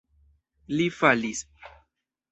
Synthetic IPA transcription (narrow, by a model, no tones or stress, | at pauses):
lifalis